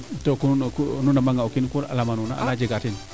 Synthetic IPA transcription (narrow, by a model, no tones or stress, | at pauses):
tokukununamaŋɡaukinkula̰lamanuna̰a̰lad͡ʒeɡatin